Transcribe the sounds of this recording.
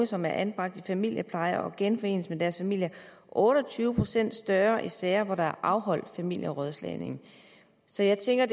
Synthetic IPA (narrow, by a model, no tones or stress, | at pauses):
əsɒ̽mæɐʔænb̥ʁɑ̈ɡ̥d̥ifæmil̰jəpʰlɑ̈ɪɐʔɒ̽ɡ̥enfɒ̽e̝̰ːnəsəmed̥æɐsfæmil̰jɐ | ʔɔːɾ̥ɒt͡sʰyːʊəpʰʁo̝sen̰d̥sd̥ɶɐʔisɛːɪɐʋɒɾ̥ɑ̈æɐʔɑ̈ʊɦɒ̽l̰d̥fæmil̰jəʁœðˠslɛ̰ne̝ŋ | sɒ̽jɑ̈ɪt͡sʰeŋɡ̥ɐd